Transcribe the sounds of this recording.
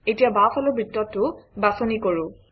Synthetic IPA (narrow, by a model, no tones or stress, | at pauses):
etijabapʰɔlʊbitːɔtːʊbasonikoɹʊ̃